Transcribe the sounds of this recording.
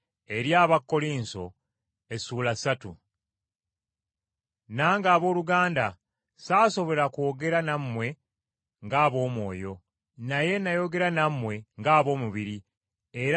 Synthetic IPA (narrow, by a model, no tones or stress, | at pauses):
e̞ɾjaːβakːo̞liːnso̞ | e̞suːlasatṵ | naːŋɡaːβo̞ːluɡaːnda | saːso̞βo̞ɾakoːɡe̞ɾanamːwe̞ | ŋɡaːβo̞ːmwo̞ːjo̞ | naje̞najo̞ɡe̞ɾanamːwe̞ŋɡaːβo̞ːmuβiɾi | e̞ɾ